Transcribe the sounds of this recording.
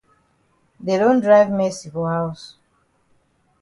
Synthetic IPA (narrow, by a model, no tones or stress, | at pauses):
dedõndɹaɪvmɛsikohaʊs